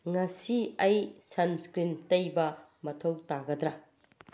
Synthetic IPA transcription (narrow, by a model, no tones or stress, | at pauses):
ŋɐsiɐjsɐnskɾintɐjbɐmɐtʰɐwtaɡɐdɾɐ